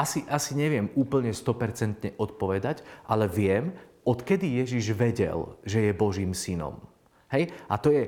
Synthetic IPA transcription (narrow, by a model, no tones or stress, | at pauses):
asiʔasiɲɛʋɪɛmuːpl̩ɲɛst̪ɔpɛɾt͡sɛnt̪ɲɛʔɔt̪̚pɔʋɛd̪aɟʔalɛʋɪɛm | ɔt̪kɛd̪ijɛʒiʒʋɛɟɛ̰lʒɛjɛbɔʒiːmsinɔ̰m | ɦɛjat̪ɔjɛ